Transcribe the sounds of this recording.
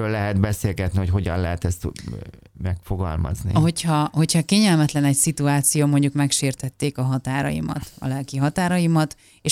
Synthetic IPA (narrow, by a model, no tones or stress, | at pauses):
øːlːɛɦɛd̪bɛseːlɡɛt̪niho̞cɦo̞ɟɒnlɛɦɛt̪ɛst̪ | mɛkfo̞ɡɒ̰lmɒ̰znḭho̞chɒho̞cʰhɒkeːɲɛlmɛt̪lɛnɛcsit̪uaːt̪sijoːmo̞ɲɟukmɛkʃeːrt̪ɛt̪ːeːkɒɦɒt̪aːɾɒ̰jḭmɒ̰t̪ɒ̰lɛlkiɦɒt̪aːɾɒjimɒt̪ | eːʃ